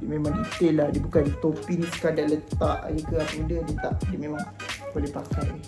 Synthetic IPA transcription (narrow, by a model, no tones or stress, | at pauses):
memaŋdit̪elahdiəbukandit̪opinisə̥kadalət̪aʔa̰jəkəapadədət̪aʔdəmemaŋbolɛhpaka̰ʔi